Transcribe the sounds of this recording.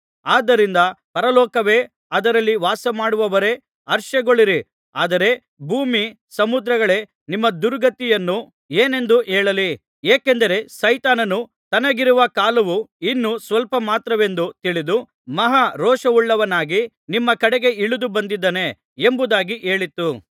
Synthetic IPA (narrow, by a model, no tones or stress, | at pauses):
aːd̪ːɐɾind̪ɐpɐɾɐlɔːkɐʋe̞ː | ɐd̪ɐɾɐlːiʋaːsɐmaːɽuʋɐʋɐɾe̞ː | ɐɾʃɐɡoɭiɾi | a̰ːd̪ɐɾe̞ | bʱuːmi | sɐmud̪ɾɐɡɐɭe̞ː | nimːɐd̪uɾɡɐt̪ijɐnːu | eːne̞nd̪uʔeːɭɐli | eːke̞nd̪ɐɾe̞sɐjt̪aːnɐnu | t̪ɐnɐɡiɾuʋɐkaːlɐʋuinːusʋɐlpɐmaːt̪ɾɐʋe̞nd̪ut̪iɭid̪u | mɐɦaɾɔːʂɐʋuɭːɐʋɐnaːɡi | nimːɐkɐɽɛɡe̞iɭud̪ubɐnd̪id̪ːɐne̞ | embud̪aːɡiʔe̞ːɭit̪ːu